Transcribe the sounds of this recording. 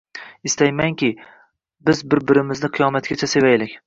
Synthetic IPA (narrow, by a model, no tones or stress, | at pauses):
ɪst̪ajmaŋkʲɪ | bɪzbɪɾbɪɾɪmɪznɪqʰɨjɒmat̪̚kʲat͡ʃʰase̞vajlɪkʲ